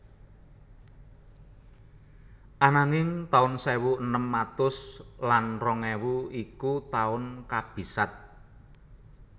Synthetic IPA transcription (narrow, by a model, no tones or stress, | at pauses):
ʔanaŋɪŋt̪aʊnsewuənəmːat̪ʊslanrɔŋɛwuikut̪aʊnkab̥i̤sat̪̚